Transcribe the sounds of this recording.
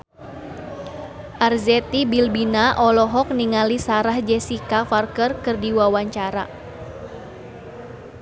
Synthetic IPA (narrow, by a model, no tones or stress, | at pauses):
ʔarzɛt̪ibilbinaʔɔlɔɦɔk̚niŋalisaɾahd͡ʒɛsikafarkərkɨrdiwawaɲt͡ʃaɾa̰